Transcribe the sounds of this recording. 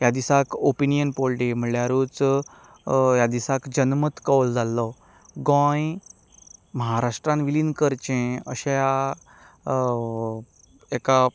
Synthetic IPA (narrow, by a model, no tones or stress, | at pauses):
jad̪isakopinijənpolʈim̤əljaɾuːt͡s | jad̪isakd͡ʑənmət̪kawld͡zʱalːɔ | ɡɔ̃j | məɦaɾaʂʈɾãnʋilinkəɾt͡ɕẽə̰ɕẽja | eka